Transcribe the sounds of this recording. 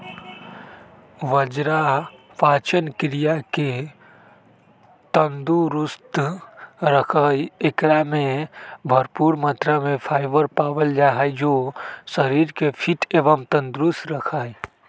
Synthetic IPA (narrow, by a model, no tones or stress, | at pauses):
ʋəd͡ʒɾapaːt͡ʃənkɪɾijake | t̪ənd̪uɾʊst̪ | ɾəkʰəjekɾamẽbʱəɾpuːɾmə̃t̪ɾamẽpʰaːɪbəɾpaːʋəld͡ʒaɦəjd͡ʒosəɾiɾkepʰiʈeʋəmt̪ə̃nd̪ɾusɾəkʰaːj